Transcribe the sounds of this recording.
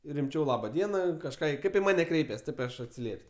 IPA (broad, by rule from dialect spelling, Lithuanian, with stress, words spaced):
rʲɪmʲˈt͡ʃʲɛʊ ˈlˠɑːbɐ ˈdʲiɛnɐ kɐʃˈkɑː ˈkɐɪp ɪ ˈmɑːnʲɛ ˈkrʲɛɪpʲɛs ˈtɐɪp ɪ ˈɐʃ ɐtʲsʲɪˈlʲiɛpʲsʲ